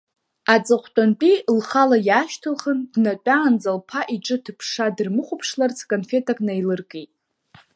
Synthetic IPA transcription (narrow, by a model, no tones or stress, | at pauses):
at͡sʼɨχʷt͡pʷʼant͡pʼilχalajaːʃtʰɨlχəndnat͡pʷʼaːnd͡zalpʰaʔiʈ͡ʂʼɨtʰɨpʰʂadɨrmɨχʷʊpʰʂlart͡sʰkʼonfe̞tʰakʼnajlɨrkʼejtʼ